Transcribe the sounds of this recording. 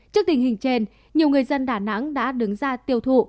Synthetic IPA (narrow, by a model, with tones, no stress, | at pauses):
t͡ɕi˦˥ək̚t̪ï˧˩ŋhï˨˩ŋ̟t͡ɕe˧n | ɲi˨˩əwŋɨ˨˩əjzə˧nɗaː˧˩na̰˧˥ŋɗa̰ː˧˥ɗɨ˨˦ŋzaː˧t̪i˧əwt̪ʰṵ˧˨